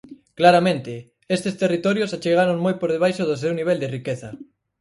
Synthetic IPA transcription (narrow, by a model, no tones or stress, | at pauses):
klaɾamẽnt̪ɪ | est̪est̪erit̪ɔɾjosat͡ʃeɣ̞aɾoŋmojpoɾðeβajʃoðos̬ewniβ̞ɛld̪erikeθɐ